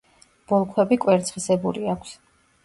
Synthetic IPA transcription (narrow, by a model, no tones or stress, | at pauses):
b̥ɔlˠkʰwɛbikʼwɛɾt̪sʰχisɛbuɾiakʷʰs